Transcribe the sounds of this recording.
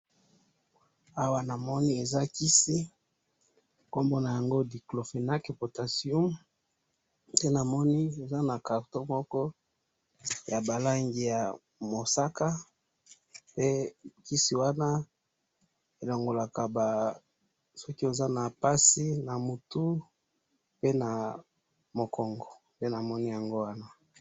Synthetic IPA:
a˦wa˦na˨mɔ˦ni˦e˨za˦ki˦si˦ | ko˦mbo˦na˨ja˨ŋɡo˦di˨klo˨fe˨na˦ke˨po˨ta˨si˦˨u˦m | te˦na˨mɔ˦ni˦e˨za˦na˨ka˨ʁto˦mɔ˦kɔ˦ | ja˨ba˨la˦ŋɡi˨ja˨ | mo˨sa˦ka˦ | pe˦˨ki˦si˨wa˦na˦ | e˨lo˨ŋɡo˨la˨ka˨ba˨ | sɔ˦ki˦o˨za˦na˨pa˦si˦na˨mo˨tu˦ | pe˦na˨ | mo˨kɔ˨ŋɡɔ˨ | te˦na˨mɔ˦ni˦ja˨ŋɡo˦wa˦na˦

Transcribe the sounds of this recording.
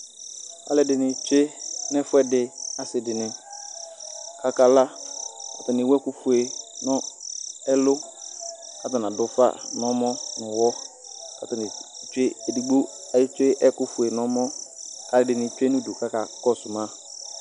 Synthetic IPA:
a̰˦lɪ˦dɪ˨nɪ̃˨t͡ʃe˦nɪ̃˦fʊ˦ɛ˦dɪ˨a˦sɪ˨dɪ˨nɪ̃˨ | kʰa˦ka˦la˦ka˨ta˨nɪ̃˨wɛ˦kʊ˦fʊ˨e˨nʊ̃˦ɛ˦lʊ˦ | ka˦ta˨nã˨dʊ˨fa̰˦nɔ̃˦mɔ̃˦nʊ̃˨wɔ˦ | ka̰˦ta˨nɪ˨t͡ʃe˦e˨di˨ɡ͡bo˦a˨jɪ˦t͡ʃe˦ʔɛ˦kʊ˦fʊ˨e˨nɔ̃˦mɔ̃˦ka˦lɪ˨dɪ˨nɪ̃˨t͡ʃᶣe˦nʊ̃˦du˨ka˦ka˨kɔ˦˨sʊ˨mã˦

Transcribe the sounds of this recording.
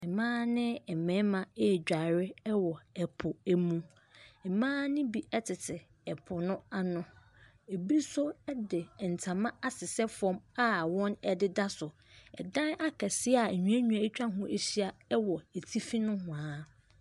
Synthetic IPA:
ɛ˨mãː˦nɪ̃˦ɛ˨mɛ̃˨˦mã˨e˦˨d͡ʑᶣa˨ɾɪ˦ɛ˦wɔ˨ɛ˨pʰʊ˨æ˨mũ˦ | ɛ˨mãː˦nɪ̃˦bi˦ʔɛ˦tʰɪ˨tʰɪ˨ | ɛ˨pʰʊ˨nʊ̃˦a˨nʊ̃˨ | e˨bi˦sʊ˦ɛ˦dɪ˨n̩˨tʰã˨mã˦a˦sɪ˨sɛ˦fʊ˨˦ɔ̃˦ma˦wɔ̃˦nɛ˨dɪ˦da˦sʊ˨ | ɛ̰˨dã˦na˦kʰɛ˨sɪ˦a˨ɲũ˨æ˦ɲᶣũ˨ã˨e˦t͡ɕᶣã˦ɦʊ̃˦ʔe˦˨ɕi˦a˨ɛ˦wɔ˨e˨tʰi˦fi˦nʊ̃˦ɦʊ̃˨a˨˦

